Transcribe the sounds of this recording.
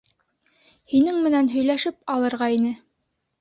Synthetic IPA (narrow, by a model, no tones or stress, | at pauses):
hinɘŋmɘ̆nænɦɵ̆jlæʃɘpɑlˠɤ̆ɾʁɑinɘ